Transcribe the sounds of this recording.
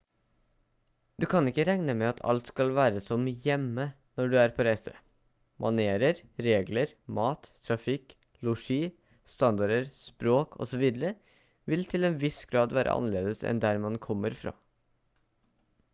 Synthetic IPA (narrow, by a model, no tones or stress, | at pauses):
d̪ʉkʰɑnɪkːəɾæŋnəmɛɑt̪ʰɑ̰lt̪skɑlʋæːɾəsɔmjɛmːə | nɔɖʉæːɾpʰɔɾæɪsə̰ | mɑ̰neːɾəɾɾeːɡləɾ | mɑːt̪ʰːɾɑfɪk | lʊʂiː | st̪ɑnd̪ɑɖəɾspɾoːkʰɔ̰sɔʋiːd̪əɾə | ʋɪlt̪ʰɪlɛeːnʋɪsɡ̥ɾɑːd̪ʋæːɾə̰ʔɑ̰nəleːd̪əsɛ̰nd̪æɾmɑnkʰɔmːəɾfɾɑ̰ː